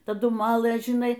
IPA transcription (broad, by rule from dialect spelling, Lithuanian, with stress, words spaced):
tɐˈdʊ ˈmɑːlˠɘ ʒʲɪˈnɐɪ